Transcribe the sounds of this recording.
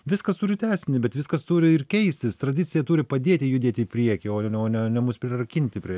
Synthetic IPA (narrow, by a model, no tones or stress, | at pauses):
ʋʲɪskɐst̪uːɾʲɪt̪ʲæːsʲɪnʲɪbʲɛt̪ʋʲɪskɐst̪uːɾʲɪɪrkʲɛɪsʲt̪ʲɪst̪ɾɐd̪ʲɪt̪t͡s̪ʲɪjɛt̪uːɾʲɪpɐd̪ʲeːt̪ʲɪjʊd̪ʲeːt̪ʲɪɪpʲɾʲiɛkʲɪoːoːnʲɛnʲɛmʊspʲɾʲɪɾɐkʲɪnʲt̪ʲɪpʲɾʲiɛ